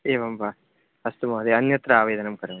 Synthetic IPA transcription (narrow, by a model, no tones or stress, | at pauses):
eːʋɐmba | ɐst̪umɐːd̪eɐnjɐt̪ɾɐaːʋeːd̪ɐnɐmkɐɾɐm